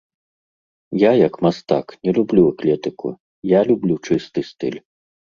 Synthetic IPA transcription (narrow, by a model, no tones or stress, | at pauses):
jajɐkmast̪a̰knʲɛlʲublʲuaklʲɛt̪ɨkṵ | jalʲublʲut͡ʂɨst̪ɨst̪ɨ̰lʲ